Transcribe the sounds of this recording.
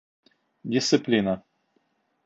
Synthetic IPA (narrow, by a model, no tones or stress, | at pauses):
dʲɪst̪sɨplʲinə